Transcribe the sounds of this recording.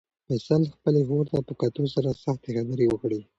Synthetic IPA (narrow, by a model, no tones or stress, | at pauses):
mɪsɑlxpəleɦoɾt̪apəkat̪os̬aɾasaxt̪exabəɾewəkɽi